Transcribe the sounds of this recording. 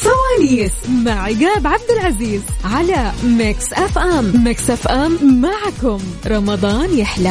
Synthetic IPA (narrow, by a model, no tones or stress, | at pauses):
fawaːniːsmaʕɪɡaːbʕab̚d̪ɪlʕaziːzʕalamɪksʔafʔamːɪksʔafʔamːaʕkʊmɾˤɑmɑd̪ˤɑːnjɪħla